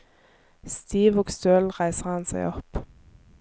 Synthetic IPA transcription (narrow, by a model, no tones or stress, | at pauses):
st̪iːʋoːɡst̪øːlʁæɪsəʁhɑnsæ̰ɪɔp